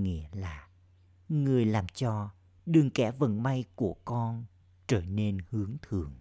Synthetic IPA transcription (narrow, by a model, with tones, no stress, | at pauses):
ŋḭ˧˥əlaː˨˩ | ŋɨ˨˩əjlaː˨˩mt͡ɕɔ˧ | ɗɨ˨˩ŋkɛ˧˩və̰˨˧˩nma˧jku˧˩əkɔ˧n | t͡ɕəː˧˩ne˧nhɨ˨˦əŋt̪ʰɨ˨˩əŋ